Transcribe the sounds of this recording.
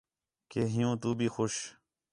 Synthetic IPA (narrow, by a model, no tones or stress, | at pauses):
keːɦɪjũːt̪uːbʱiːxoʃ